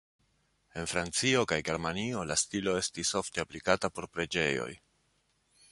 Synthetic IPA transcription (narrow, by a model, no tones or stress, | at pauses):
e̞nfɾant͡sio̞kajɡe̞ɾmanio̞lastiloe̞stiso̞fte̞aplikatapo̞ɾpɾe̞d͡ʒe̞jo̞̰j